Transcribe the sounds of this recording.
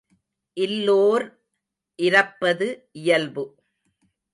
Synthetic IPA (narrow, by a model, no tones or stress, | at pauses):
ʔɪlːoːɾ | ʔɪɾɐpːɐðɯʔɪjɐlbɯ